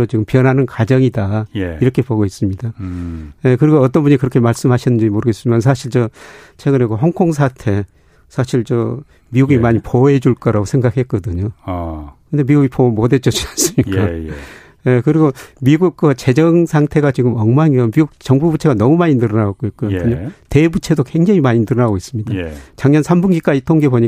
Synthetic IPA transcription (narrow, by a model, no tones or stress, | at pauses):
ot͡ɕiɡɯmpiʌnɦanɯnkad͡ʑʌŋidajiɾʌkʰe̞poɡois͈ɯmɲidaje̞kɯɾiɡoʌt̬͈ʌnbuɲikɯɾʌkʰe̞maɭs͈ɯmɦaɕʰinːɯnd͡ʑimoɾɯɡes͈ɯmjʌnsʰaɕʰiɭt͡ɕʌt͡ɕʰe̞ɡɯne̞kɯɦʌŋkʰoŋs̬ʰatʰe̞ | sʰaɕʰiɭt͡ɕʌ | miɡuɡimaɲipʰoe̞d͡ʑuɭk͈ʌɾaɡosʰe̞ŋɡak̚he̞k͈ʌdɯɲo | kɯnde̞miɡuɡipʰomode̞t͡ɕ͈ʌt͡ɕias͈ɯmɲikk͈a | je̞kɯɾiɡomiɡuk̚k͈ʌt͡ɕe̞d͡ʑʌŋsʰaŋtʰe̞ɡat͡ɕiɡɯmʌŋmaŋiʌmiɡuk̚t͡ɕʌŋbubut͡ɕʰe̞ɡanʌmumaɲinɯɾʌnaɡok͈oit̚k͈odɯɲote̞but͡ɕʰe̞dokwe̞ŋd͡ʑaŋimaɲinɯɾʌnaɡois͈ɯmɲidat͡ɕaŋɲʌnsʰambunɡik͈aitʰoŋɡeboɲi